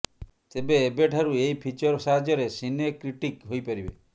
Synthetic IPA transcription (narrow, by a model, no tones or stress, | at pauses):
t̪ebeːbeʈʰaɾuejpʰit͡ʃɔɾɔsaɦad͡ʒɔɾesinekɾiʈikɦojpaɾibḛ